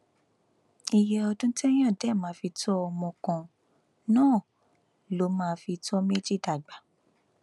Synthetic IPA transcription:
i˧jɛ˧ɔ˧dũ˦tɛ˦j̃ã˦˨dɛ˦˨mãː˨˦fi˧tɔ˦ɔ˧mɔ̃˧kã˧ | nãː˦˨ | lo˨˦mãː˦fi˧tɔ˦me˦d͡ʒi˦˨da˨ɡ͡ba˨˦

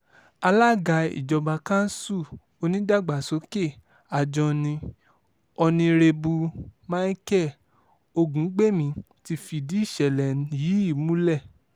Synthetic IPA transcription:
a˧la˦˨ɡa˧ḭ˨d͡ʒɔ˧ba˧kã˦n̩˦su˦˨ | o˧nĩ˦da˦˨ɡ͡ba˨so˨˦ke˦˨ | a˨d͡ʒɔ̃˧nĩ˧ | ɔ˧nĩ˧ɾe˧bu˧mã˦i˦kɛ˦˨ | o˧ɡũ˨˦ɡ͡be˦˨mĩ˧ | ti˧fi˧di˨˦i˦˨ʃɛ˨lɛ˨n˨ji˨˦i˦˨mũ˦lɛ˦˨

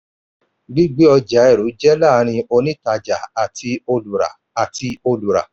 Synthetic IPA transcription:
ɡ͡bi˦ɡ͡bi˨˦ɔ˧d͡ʒa˨˦ɛ˦˨ɾu˨˦d͡ʒɛ˦la˦˨˧ɾ̃ĩ˧o˧nĩ˦ta˧d͡ʒa˨a˨tʰi˧o˧lu˨ɾa̰˨ | a˨ti˧o˧lu˨ɾa̰˨

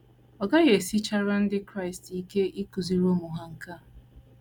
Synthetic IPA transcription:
ɔ˨ɡa˦ɣe˨si˦t͡ʃa˦ɾa˦n̩˦dɪ˦kɾa˦˨ɪ˨sti˦ke˦i˦ku˨zi˦ɾo˦mu˨ɦa˦ŋ̩˦ka˦˨

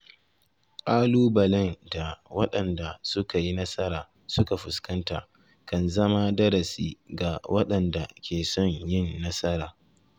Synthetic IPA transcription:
kʼaː˦luː˦bɐ˨lɛ˦nda˨wɐ˦ɗɐ˨nda˨sʊ˦ka˨ji˦nɐ˦sɐ˦ɾaː˨ | sʊ˦ka˨ɸʊ˨skɐ˦nta̰ː˨ | kɐ˨nzɐ˦ma˦dɐ˦ɾɐ˨sḭː˦ɡa˨wɐ˦ɗɐ˨nda˨kʲʰeː˨sɔ˦ɲjɪ˦˨nːɐ˦sɐ˦ɾaː˨

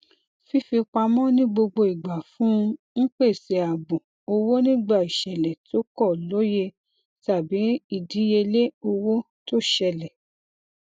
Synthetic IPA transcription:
fi˦fi˧k͡pa˧mɔ̃˦nĩ˦ɡ͡bo˧ɡ͡bo˧i˨ɡ͡ba˨fũ˦˧ŋ̩˦k͡pe˦˨se˨˧a˨bũ˨ | o˧wo˦nĩ˦ɡ͡ba˦˨i˨ʃɛ˨lɛ˨to˨˦kɔ˦˨lo˨˦je˧ | ta˨bi˨˦i˨di˨˦je˧le˦o˧wo˦ | to˦ʃɛ˧lɛ˨

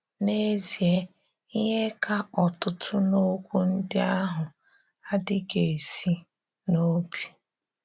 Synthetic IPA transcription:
ne˦zi˨e˦ | i˦ɦe˦kʰa˦ɔ˨tʊ˦tʰʊ˦no˦kʷu˦n̩˦dɪ˦a˦ɦʊ˨ | a˦dɪ˦ɡe˨si˦ | no˦bi˨

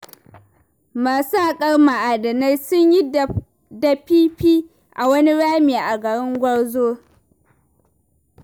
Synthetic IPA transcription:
maː˨sa˦˨kʼɐ˦ɽma˨ʔa˨dɐ˨na˦jsʊ˦ɲji˦ | da˨piː˦ɸiː˦ | ʔa˨wɐ˦ni˦ɽaː˦meː˨ʔa˨ɡɐ˨ɽɪ˦ŋɡʷɐ˦ɽzoː˦

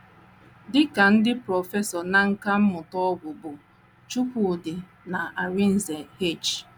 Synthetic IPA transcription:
dɪ˦ka˨n̩˦dɪ˦pɾɔ˨fe˦sɔ˨na˨ŋ̩˦ka˦m̩˦mʊ˨tɔ˦ɡʊ˨bʊ˨ | t͡ʃu˦kʷu˨dɪ˨ | na˨ʔa˨ɾi˦n̩˨ze˨he˦˨t͡ʃ

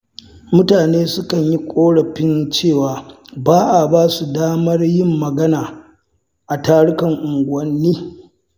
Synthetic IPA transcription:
mʊ˦taː˨neː˦sʊ˦kɐ˨ɲji˦kʷʼoː˦ɽɐ˨ɸɪ˦nt͡ʃeː˦˨waː˨baː˦ʔa˨baː˦su˨daː˦mɐ˦rjɪ˦mːɐ˨ɡɐ˦naː˨ | ʔa˨taː˦ɽʊ˦kɐ˨ŋʔʊ˨ŋɡʷʊ˨ɐ˦nːiː˦

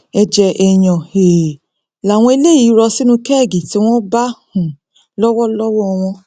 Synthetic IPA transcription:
ɛ˧d͡ʒɛ˧ʔe˧j̃ɔ̃˨e˨ | la˨w̃ɔ̃˧i˧le˦ji˨˦ɾɔ˧si˦nũ˧kɛ˦˨ɡi˨ti˨˦w̃ɔ̃˦ba˦hũ˨ | lɔ˦wɔ˦lɔ˦wɔ˦˧w̃ɔ̃˧

